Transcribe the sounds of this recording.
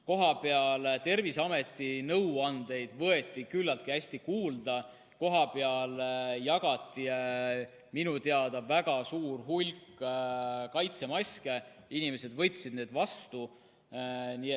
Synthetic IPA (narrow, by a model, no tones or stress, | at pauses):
ko̞ɦɑpe̞ɑlt̪e̞rvisɑme̞t̪ːˑinɤwɑnd̪e̞jd̪̥vɤ̞e̞t̪ːˑikylːɑlt̪̚kiæsʲt̪ikuːld̪̥ɑ | ko̞ɦɑpe̞ɑljɑɡ̥ɑt̪ˑːi | minut̪eɑd̪̥ɑvæɡ̥ɑsuːrɦulʲkː | kɑjt̪se̞mɑsʲke̞ | inime̞se̞d̪vɤ̞jt̪ʲsid̪̥ne̞ːd̪̥vɑst̪u | nie